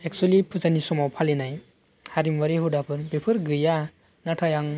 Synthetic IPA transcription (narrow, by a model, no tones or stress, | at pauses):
ek̚sualipʰuzanisɔmawpʰalinaj | haɾimwaɾiɦudapʰɯɾbepʰɯɾɡɯja | natʰajaŋ